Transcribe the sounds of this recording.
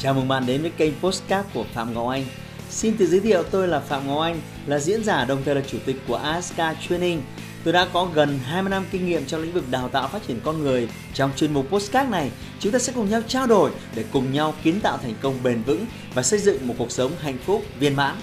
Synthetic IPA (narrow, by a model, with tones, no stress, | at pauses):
t͡ɕaː˨˩mɨ˨˩ŋɓa̰ː˧˨nɗe˨˦nvəː˨˦jkə˧jmpo˦˥skaː˦˥t̚ku˧˩əfa̰ː˧˨mŋɔ˨˩wʔa˧jŋ̟ | si˧nt̪ɨ̰˧˨zɨ˨˦jt̪ʰḭ˧˨əwt̪o˧jlaː˨˩fa̰ː˧˨mŋɔ˨˩wʔa˧jŋ̟ | laː˨˩zḭ˧˥ənzaː˧˩ɗə˨˩wŋ͡mt̪ʰəː˨˩laː˨˩t͡ɕu˧˩t̪ï˨˩k̟ku˧˩əʔaː˧˦˥skaː˧t͡ɕwi˧ənï˧ŋ̟ | t̪o˧jɗa̰ː˧˥kɔ˨˦ɣə˨˩nɦaː˧jm˧jna˧mki˧ŋ̟ŋḭ˧˨əmt͡ɕɔ˧ŋ͡mlï˧˥ŋ̟vɨ˨˩k̚ɗaː˨˩wt̪a̰ː˧˨wfaː˦˥t̚t͡ɕi˧˩ənkɔ˧nŋɨ˨˩əj | t͡ɕɔ˧wŋ͡mt͡ɕwi˧ənmu˨˩po˦˥skaː˦˥t̚na˨˩j | t͡ɕʊ˨˦ŋ͡mt̪aː˧ɛ̰˧˥kʊ˨˩ŋ͡mɲa˧wt͡ɕaː˧wɗo˨˩j | ɗe˧˩kʊ˨˩ŋ͡mɲa˧wki˨˦ənt̪a̰ː˧˨wt̪ʰɛ˨˩jŋ̟kə˧wŋ͡mɓe˨˩nvɨ̰˧˥ŋ | vaː˨˩sə˧jzɨ̰˧˨ŋmo˨˩t̚ku˨˩ək̚sə˨˦wŋ͡mɦa̰˧˨jŋ̟fʊ˦˥k͡p̚vi˧ənma̰ː˧˥ŋ